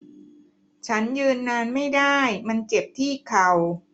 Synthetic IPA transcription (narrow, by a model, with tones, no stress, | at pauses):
t͡ɕʰa˦˥njɯː˧nːaː˧nma˥˩jdaː˥˩jma˧nt͡ɕe˨˩p̚t̪ʰiː˥˩kʰa˨˩w